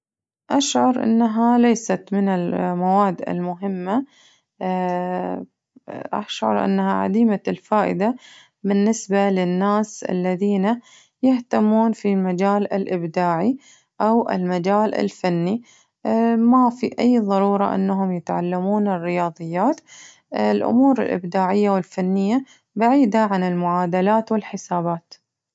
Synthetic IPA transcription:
ʔaʃʕɑɾʔɪ̰nːaɦalajsat̪mɪnɪlmawaːd̪ːɪ̰lmʊɦɪmːa | ʔa̰ʃʕɑ̰ɾˤʔa̰nːaɦaʕa̰d̪iːmalfaːʔɪ̰d̪a | bɪnːɪsbalɪnːaːsʔa̰lːaðiːna | jɪht̪amːuːnfimad͡ʒaːlɪlʔɪbd̪aːʕi | ʔawʔɪ̰lmad͡ʒaːlʔɪ̰lfanːi | mafiʔajːðˤɑɾuːɾˤɑ̰ʔɪ̰nːaɦʊmjɪt̪ʕa̰lːamuːnɪrːɪjɑːðˤɨjːaːt̪ | lʔʊ̰muːɾɪ̰lʔɪ̰bd̪aːʕɪjːawɪlfanːɪjːa | baʕiːd̪aʕanɪlmʊʕaːd̪alaːt̪wɪlħɪsaːbaːt̪

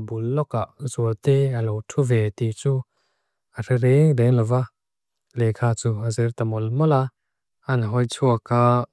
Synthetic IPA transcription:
bulːɔkaʔzuət̪ɛəlɔwtʰuvɛt̪it͡su | ʔərɛɾɛŋdɛŋlɔva | lɛkʰaːt͡suəzɛrt̪amɔlmɔla | ʔanɦɔjt͡sʰuəka

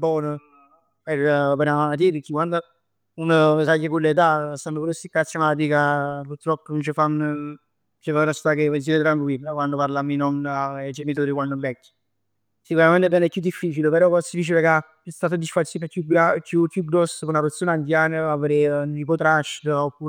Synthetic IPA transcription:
bɔːnə | peɾpeɾaat̪̬iɾkːikwand̪ə | unsakːəkulːet̪̬asanːokuɾosikːasemat̪̬ikapuɾt̪ːɾɔpːonunt͡ʃefanː | t͡ʃefaunat͡ʃi̥t̪akeesiɾet̪ɾaŋkwibakwand̪opaɾlamːinɔnaɛd͡ʒemit̪oːɾikwanːd̪ombɛkːi̥ | sikuɾamɛnt̪ebɛnɛkːud̪ːifːiːt͡ʃilepeɾɔkɔsifit͡ʃileka | ɛst̪aːt̪ad̪isfaɾsikakjuɡakukːjuɡɾɔsːəkounaɾot̪sːjonant̪jaːnəavɾenipot̪ɾaʃopːu

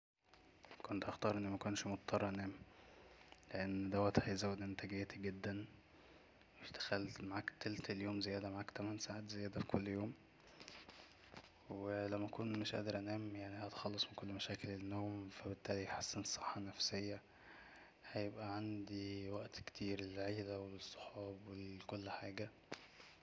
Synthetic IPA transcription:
kont̪ʔɑxt̪ɑːɾˤʔenːmækonʃmot̪̚t̪ʰːˤɑrˤːɑʔænæːm | leʔenːd̪æwæt̪hæjzæwːed̪ʔent̪æɡejæːt̪iɡed̪ːæn | wet̪æxælt̪maʕaːkt̪ælt̪æljoːmzejæːd̪æmaʕaːkt̪æmænsaʕaːt̪zejæːd̪æfi̥kʰolːjoːm | welæmːæʔækuːnmeʃʔæ̰ʔd̪ɑɾˤʔænæːmjaʕnihæt̪xɑlːɑsˤmenkolːmæʃæːkelenːoːmfæbet̪ːæːlijħasːenesˤeħːɑnæfsejːæ | hæjebʔæʕand̪iwæʔt̪kt̪ʰiːɾelʕeːlæwesˤːo̥ħɑːbwekolːħaːɡæ

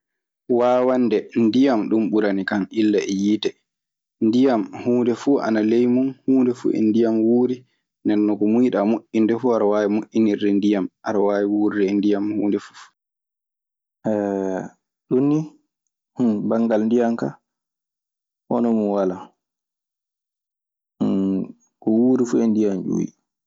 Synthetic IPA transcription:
waːwandɛndijamɗumɓuɾanikanilːaɛjiːtɛ | ndijamhuːndɛfuʔa̰nalɛjmunhuːndɛfṵʔɛ̰ndijamwuːɾi | ndɛɾnɔkɔmujiɗamoʔindɛfuaɾawaːwimoʔiniɾdɛndijamʔaɾawaːwiwuːɾiɾɛndijamhuːndɛfu̥ | ʔɛ | ɗunːi | hbaŋɡalndijamka | ʔɔ̰nɔmunwala | kɔwuːɾifuɛndijamd͡ʒṵːwḭ

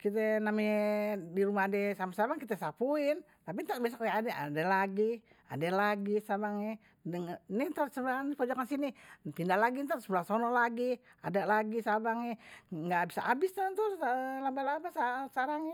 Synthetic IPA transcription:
kit̪̬ɛnamɛdiɾumaadɛsamasabaŋkit̪ɛsapuɪn | t̪ap̬it̪aʔ̚bias̬akajaadɛa̰dɛlaɡi | a̰dɛlaɡisabaŋɛ | dəŋnit̪aɾsəbaanipod͡ʒokansinipindahlaɡint̪aɾsbulasonɔlaɡia̰dalaɡisabaŋɛŋɡabisaʔa̰bist̪aant̪ulabalabasasaɾaŋɛ

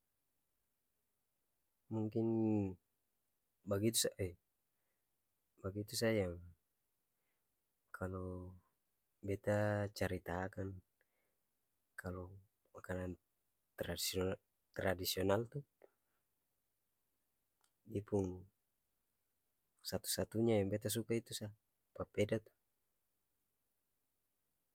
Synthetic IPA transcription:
muŋkin | baɡit̪usaɛ | baɡit̪usajaŋ | kʰalɔ | bɛt̪at͡ʃaɾit̪akan | kʰalɔ | makanan | t̪ɾas | t̪ɾadisiɔnalt̪u | dipuŋ | sat̪u̥sat̪uɲajaŋbɛt̪as̬ukait̪usa | papɛdat̪u̥

